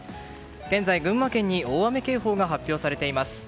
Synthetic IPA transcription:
ɡ̥ẽ̞nd͡zaiɡɯ̟̃ɰ̃ːakẽ̞ɲ̟ːio̞ːame̞ke̞ːɦo̞ːɡaɦapʲːoːsaɾe̞t̪e̞imasɨ̥

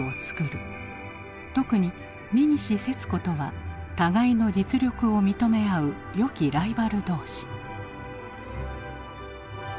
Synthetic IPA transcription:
o̞t͡sɨ̥kɯ̟ɾɯ̟ | t̪o̞kɯ̟ɲ̟i | mʲiɲ̟iɕise̞t͡sɨ̥ko̞t̪o̞βat̪aɡaino̞d͡ʑit͡sɨɾʲo̞kɯ̟o̞mʲit̪o̞me̞aɯ̟ | jo̞kʲiɾaibaɾɯ̟d̪o̞ːɕi̥

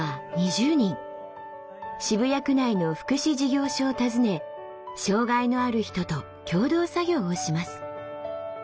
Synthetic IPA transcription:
aɲ̟iʑɨːɲ̟ĩŋ | ɕibɯ̟jakɯ̟naino̞ɸɯ̟̥kɯ̟ɕiʑiɡʲo̞ːɕoːt̪azɨne̞ | ɕo̞ːɡaino̞aɾɯ̟çi̥t̪o̞t̪o̞ | kʲo̞ːd̪o̞ːsaɡʲo̞ːoɕimasɨ̥

